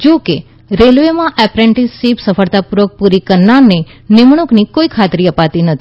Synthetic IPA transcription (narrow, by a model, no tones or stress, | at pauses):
d͡ʒoke | ɾelʋemãʔɛpɾeɳʈisːipsəfəɭt̪apuɾʋək̚puɾikəɾnaɾnenɪmɳ̃uknikoikʰat̪ɾiəpat̪inət̪ʰi